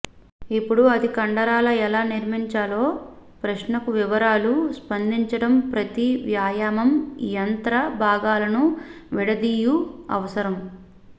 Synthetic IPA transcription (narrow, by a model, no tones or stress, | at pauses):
ipːuɽuɐd̪ikɐɳɖɐɾaːlɐɛlaːniɾmiɲt͡ʃaːlo̞ː | pɾɐʃnɐkuʋiʋɐɾaːluspɐnd̪iɲt͡ʃɐɽɐmpɾɐt̪iʋjaːjaːmɐmjɐnt̪ɾɐbʱaːɡaːlɐnu | ʋɛɽɐd̪ijuɐ̰ʋɐsɐɾɐm